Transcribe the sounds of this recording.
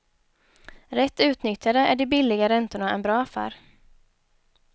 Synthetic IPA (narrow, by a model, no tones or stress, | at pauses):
ɾɛt̪ːʉ̟ːt̪nʏt̪jad̪əʔæɖɪbɪlːɪɡaɾɛnt̪ʊɳaʔɛnbɾɑːafæ̰ːɾ